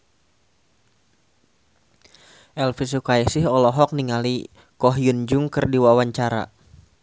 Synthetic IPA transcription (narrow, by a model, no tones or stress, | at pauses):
ʔɛlfis̬ukaɛsɪɦɔlɔɦɔk̚niŋali | kɔɦjund͡ʒʊŋkɨrdiwawaɲt͡ʃaɾa̰